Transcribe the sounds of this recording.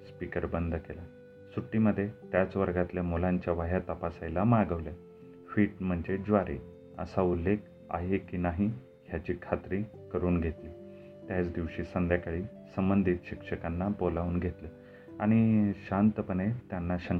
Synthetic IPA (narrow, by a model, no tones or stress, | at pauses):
spikəɾbənd̪ʱəkela | suʈːiməd̪ʱːjet̪jat͡sʋəɾɡat̪ljamolaɲt͡ɕjaʋaɦjat̪əpasajlamaɡəʋlja | fiːʈm̤əɳd͡ʑed͡zʋaɾe | ə̰saulːek̚ | a̰ɦekːiːnaɦi | ɦjat͡ɕiːkʰat̪ɾiː | kəɾuːnɡʱet̪liː | t̪jat͡sd̪iʋɕiːsənd̪jakaɭiː | səmbənd̪ʱit̪ɕikʂəkanːabolauːnɡʱet̪lə | aɽ̃iɕant̪əpənet̪janːaɕəŋ